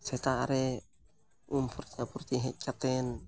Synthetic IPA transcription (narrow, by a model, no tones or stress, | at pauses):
sɛt̪aɾɛ | umpʰurt̪iapurt̪iɦɛt̚kat̪ɛn